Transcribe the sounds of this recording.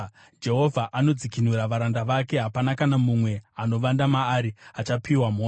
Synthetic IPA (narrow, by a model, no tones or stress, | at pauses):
d͡ʒe̞ɦo̞vʱaʔano̞d͡zikinuɾaʋaɾandaʋake̞ɦapanakanamumwe̞ano̞ʋandamaːɾiat͡ʃapiwamoː